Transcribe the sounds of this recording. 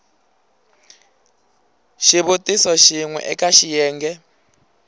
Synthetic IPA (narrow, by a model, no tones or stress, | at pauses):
ʃiβutʼisɔʃiŋwɛ̰ʔɛkʼaʃijɛːŋɡɛ